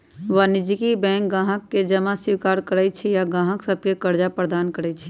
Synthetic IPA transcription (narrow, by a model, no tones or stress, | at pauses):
ʋanɪd͡ʒikibɛ̃ːŋk̚ɡãːɦəkːed͡ʒəmasɪkaːɾkəɾɛt͡ʃʰijaɡãːɦəksəb̚ʱkekəɾd͡ʒapɾəd̪aːnkəɾɛt͡ʃʰi̥